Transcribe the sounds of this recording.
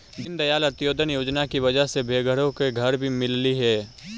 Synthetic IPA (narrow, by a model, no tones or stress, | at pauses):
d͡ʒɪ̃nd̪ɐjaːlɐt̪joːd̪ʱənjoːd͡ʒnakiʋɐd͡ʒəɦsebʱeːɡəɽõkeɡʱɐɾbʱimɪlliɦɛː